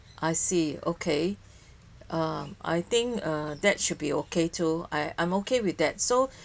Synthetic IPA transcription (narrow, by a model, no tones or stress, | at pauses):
ʔajsio̰kʰe | ʔʌma̰jt̪ɪ̃ŋkʌdɛt̚ʃud̚biokʰetʰua̰ɪʔã̰ɪ̃mokewiθdɛt̚so